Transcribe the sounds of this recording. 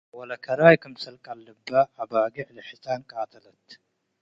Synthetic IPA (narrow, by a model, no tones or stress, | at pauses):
wɔlɐkʰɐɾajkʰɐmsɐlkʼalːɨbːaːbaɡiʕlɨħsankʼaːt̪ʰɐlɐt̪